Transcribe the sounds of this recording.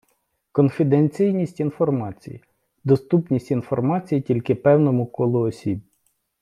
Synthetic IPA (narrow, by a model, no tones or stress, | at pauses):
kɔnfʲid̪enʲt͡sʲijnʲisʲtʲinfɔrmɑt͡sʲijḭ | d̪ɔst̪upnʲisʲtʲinfɔrmɑt͡sʲijitʲilʲkɪpɛwnɔmʊkɔlˠɔɔsʲib